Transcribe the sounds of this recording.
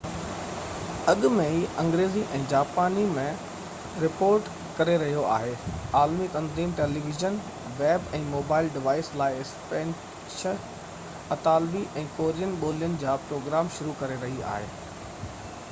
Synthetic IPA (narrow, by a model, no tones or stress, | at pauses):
ɐɠʊmẽɦiːɐ̃ŋɡɾeːziʔɛ̃ːd͡ʑaːpaːnimẽ | ɾɪpoːɾʈ | kɐɾeɾɐɦijoʔa̰ːɦeːaːlmit̪ɐ̃nziːmʈeːliʋɪʒən | ʋɛːbɛ̃ːmoːbaːɪlɖɪʋaːɪslaːɪɪspɛ̃ːn | ʃə | ɐt̪aːlbiʔɛ̃ːkoːɾijənɪɓoːlijənɪ̆d͡ʑaːpɾoːɡɾaːmʃʊɾukɐɾeɾɐɦia̰ːɦḛː